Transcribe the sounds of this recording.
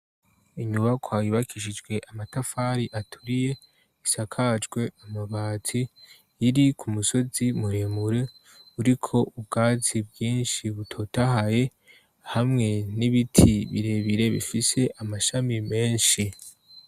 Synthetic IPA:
iɲuβakʰwaːjuβakʰiʃid͡ʒɡwe̞ʔamatafaɾiʔatʰuɾije̞ | isakʰad͡ʒɡwe̞amaβaːt͡si | jiɾikʰumuso̞zimuɾemuɾe̞ | uɾikʰo̞ʔubɡaːzibɡiːnʃiβutʰo̞tahaje̞ | hamŋe̞niβitʰiβḭɾe̞βiɾe̞βḭfise̞ʔamaʃamime̞ːnʃi

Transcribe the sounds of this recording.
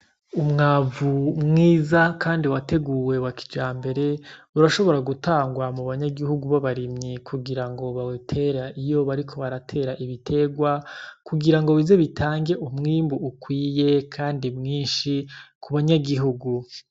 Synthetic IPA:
umŋaːvumŋiːzakaːndiwate̞ɡuːwe̞βaki̥d͡ʒaːmbe̞ɾe̞uɾaʃo̞βo̞ɾaɡutʰaːŋɡwamuβaɲaɡiɦuɡuβaβaɾimɲikʰuɡiɾaŋɡo̞βawitʰe̞ɾaʔijo̞βaɾikʰo̞βaɾatʰe̞ːɾaʔiβitʰe̞ɡwakuɡiɾaŋɡo̞βize̞βitʰaːŋɡe̞ʔumŋiːmbuukwiːje̞kʰaːndimŋiːnʃikʰuβaɲaɡiɦuɡu

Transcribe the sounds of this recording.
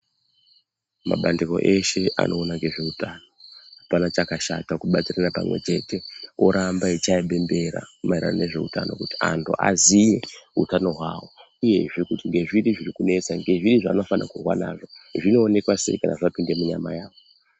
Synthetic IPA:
ma̰ɓandiko̞̰ʔe̞ʃeʔa̰nʔo̞ːnaŋɡe̞ʐe̞utano̞hapanat͡ʃakaʃa̰takuɓat͡siranapa̰mwe̞̰t͡ʃe̞te̞oɾambait͡ʃaiɓe̞mbe̞ɾa̰maiɾa̰noneʐe̞̰ṵta̰no̞̰kuti̥a̰ntʰuʔa̰zije̞ɦutano̞ɦwawo̞ | uje̞ʐikutiŋɡe̞ʐiɾiʐirikune̞t͡saŋɡe̞ʐiɾiʐano̞fanakurwa̰na̰ʐo̞ʐino̞ːne̞kwase̞̰ikana̰ʐapinde̞muɲama̰jaːʋo

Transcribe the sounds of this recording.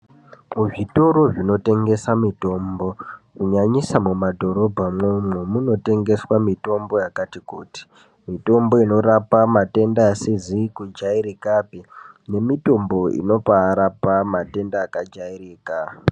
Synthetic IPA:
muʐito̞ɾo̞ʐino̞te̞ŋɡe̞samito̞mbo̞kuɲaɲisamumadʱo̞ɾo̞bʱamwemwemuno̞te̞ŋɡe̞swamito̞mbo̞jakatikuːti̥ | mito̞mbo̞ino̞ɾapamate̞ndaːsizikud͡ʒaiɾikapine̞mito̞mbo̞ḭno̞paːɾapamate̞ndaːkad͡ʒairiːka

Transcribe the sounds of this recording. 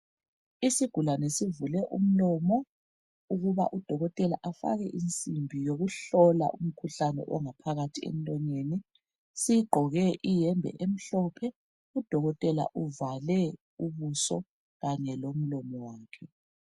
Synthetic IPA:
isiɡ̥ʱulanɛsivulɛʔṵm̩lɔmɔ | uɣuβa̰ʔud̥ʱɔɣɔtʼɛlaʔafa̰ɣɛʔint͡sʼimbʱijoɣuɬɔla̰ʔum̩kʰuɬanɛ̰ʔɔŋapʰaɣatʰiḛn̩tʼɔɲeːni | sijiɡ͡ǃʱɔɣɛʔijɛmbʱɛ̰ʔem̩ɬɔpʰɛ | ud̥ʱɔɣɔtʼɛla̰ʔuvalɛ | uβusɔ̰ | ɣaɲɛlom̩lɔmɔwaːkʰɛ

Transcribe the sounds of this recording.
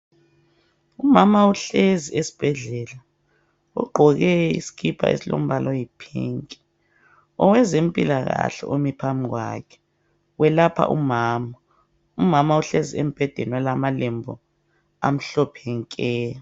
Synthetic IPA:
umamauɬeziesi̥b̥ʱɛɮɛla | ṵɡ͡ǃʱɔɣɛḭsi̥kʰipʰa̰ʔḛsilo̰m̩balʔɔjipʰḭŋkʼi̥ | ɔwɛzem̩pʼilaɣa̰ɬɛ̰ʔomipʰamiɣwa̰kʰɛ̥ | wɛlapʰa̰ʔṵmaːma | umamauɬeziem̩b̥ʱɛd̥ʱɛnwɛlamalɛmbʱɔ̰ | a̰m̩ɬɔpʰɛŋkʼɛ

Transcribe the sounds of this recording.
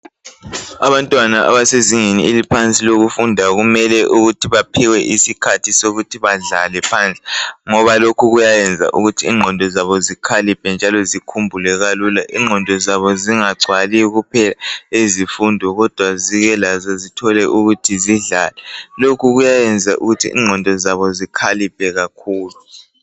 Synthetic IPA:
a̰βantʼwanaʔa̰βaseziŋenḭilipʰant͡sʼiloɣufundʱaɣumɛlɛʔuɣutʰiβapʰiwɛʔisikʰatʰisoɣutʰiβaɮalɛpʰant͡ɬʼɛŋɔβalokʰuɣujajɛnd͡zʱa̰ʔuɣutʰiːŋ͡ǃʱɔndʱɔzaβɔzikʰalipʰɛnd͡ʒʱalɔzikʰumbʱulɛɣaluːlaʔḭŋ͡ǃʱɔndʱɔzaβɔziŋaɡ͡ǀʱwaliɣupʰɛlaezifundʱɔɣɔd̥ʱwaziɣɛlazazitʰɔlɛʔuɣutʰiziɮalɛlokʰuɣujajɛnd͡zʱaʔṵɣutʰḭʔḭŋ͡ǀʱɔndʱɔzaβɔzikʰalip̚ʰʼɛɣakʰuːlu

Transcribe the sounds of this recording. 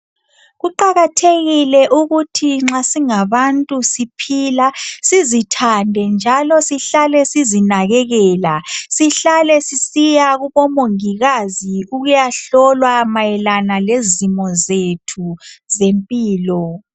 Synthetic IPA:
ɣuǃaɣatʰeɣilɛʔuɣutʰiŋ͡ǁasiŋaβantʼusipʰiːlasizitʰandʱɛnd͡ʒʱalɔsiɬalɛsizinaɣɛɣɛːlasiɬalɛsisijaɣuβɔmoŋiɣaziuɣujaɬɔlwamajɛlanalezimɔzetʰuzempʼiːlɔ

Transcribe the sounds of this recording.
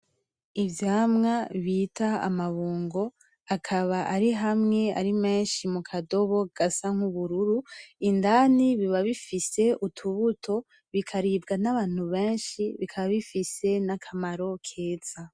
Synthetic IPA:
ivjaːmŋaβiːtaa̰maβuːŋɡo̞ | akʰaβaʔaɾiɦamŋe̞a̰ɾime̞ːnʃimukʰado̞βo̞ɡ̥asaŋ̥huβuɾuɾuindaːniβiβaβifise̞ʔutʰuβutʰo̞ | βikʰaɾiːbɡanaβaːn̥huβe̞ːnʃiβikʰaβaβifise̞nakʰamaɾo̞kʰe̞ːt͡sa

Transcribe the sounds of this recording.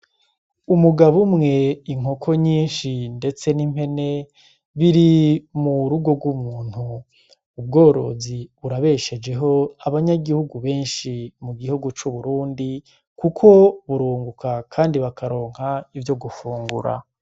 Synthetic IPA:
umuɡaβumŋe̞iŋ̥okʰo̞ɲiːnʃinde̞t͡se̞nim̥he̞ne̞ | βiɾimuɾuɡo̞ɡwumuːn̥huː | b̚ɡo̞ːɾo̞̰ziβuɾaβe̞ʃe̞d͡ʒe̞ɦo̞aβaɲaɡihuɡuβe̞ːnʃimuɡihuɡut͡ʃuβuɾuːndi | kukʰo̞βuɾuːŋɡukakʰaːndiβakʰaɾo̞ːŋ̥haivjo̞ɡufuːŋɡuɾa̰

